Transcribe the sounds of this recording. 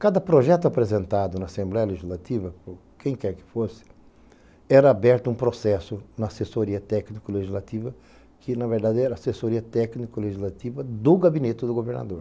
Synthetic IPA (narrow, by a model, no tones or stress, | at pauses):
kad̪ɐpɾoʒɛt̪ʊapɾezẽnt̪ad̪ʊnɐasẽmblɛjɐleʒizlat̪ivɐpo | kẽj̃kɛɾkɪ̥fosɪ̥ | ɛɾɐabɛɾt̪ʊũpɾosɛsʊnɐasesoɾiɐt̪ɛknikileʒizlat̪ivɐ | kʰɪnɐveɾd̪ad̪ɛɾɐasesoɾiɐt̪ɛknikileʒizlat̪ivɐd̪ʊɡabinet̪ɪd̪ʊɡoveɾna̰d̪oɾ